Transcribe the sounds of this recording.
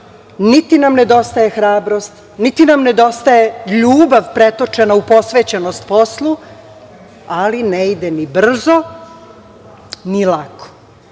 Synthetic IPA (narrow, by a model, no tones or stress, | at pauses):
nit̪inamne̞d̪o̞st̪ajexɾaːbɾo̞st̪ | nit̪inamne̞d̪o̞st̪ajeʎuːbaʋpɾet̪o̞t͡ʃe̞naupo̞sʋeːt͡ɕenost̪̚po̞slˠu | alineid̪enibr̩zo̞ | nilako̥